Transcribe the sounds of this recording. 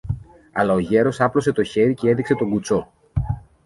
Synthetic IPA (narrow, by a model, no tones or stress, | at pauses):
ɐlɐo̞ʝe̞ɾo̞sɐplo̞se̞t̪o̞çe̞ɾice̞e̞ðikse̞t̪o̞ɡut͡so̞